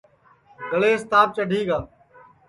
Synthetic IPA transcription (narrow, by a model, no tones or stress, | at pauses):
ɡəleːst̪aːp̚t͡ʃəɖʱiːɡaː